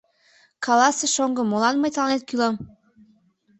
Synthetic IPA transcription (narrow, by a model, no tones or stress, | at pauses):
kʰɑlɑseʃoŋɡɤ̆molɑnmɤjt̪lɑnet̪̚kylɑm